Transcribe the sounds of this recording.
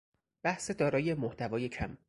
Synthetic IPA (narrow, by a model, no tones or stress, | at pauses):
b̥æhsed̪ɒːɾɒːjemoht̪ʰævɒːje̞cʰæ̰m